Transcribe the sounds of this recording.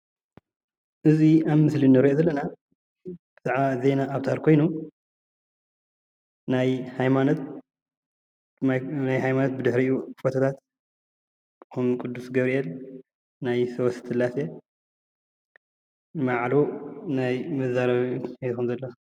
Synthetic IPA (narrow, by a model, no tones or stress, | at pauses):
ʔɨziaβmɨslinɐɾiʔozɐlːɐna | b̥ɨz̥aʕβazenaːβt̪ʰaɾkʰo̞jnu | najhajmanot̪̚ | najɦajmanot̪̚bɨd̪ɨħɾiʔjufot̪ʰɐt̪ʰat̪ | xumkʼud̪ːusɡɐβɾiʔɛl | najsɐwɐst̪ʰɨlase | maʕlonajmɐzaɾɐβet̪xumzɐlːɐ